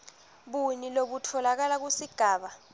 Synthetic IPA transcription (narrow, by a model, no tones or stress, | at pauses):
ɓuniloɓutʰɔlak̬alak̬usiɡ̥ʱaːɓa